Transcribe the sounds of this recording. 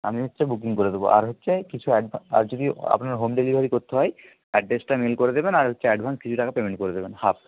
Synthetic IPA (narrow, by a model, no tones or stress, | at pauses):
a̰minitːt͡ɕabuk̬iŋkoɾed̪ebo̰ʔa̰ɾɦotːɕʰekit͡ɕʰuɛɖa̰ɾd͡ʑod̪ia̰pnaɾɦomɖelibʱaɾikoɾt̪ʰeɦɔj | ɛɖɖesʈamelkoɾed̪ebenaɾɦotːɕʰeɛɖbʱanskit͡ɕʰuʈakapemeɳʈ̚koɾed̪ebenhab̚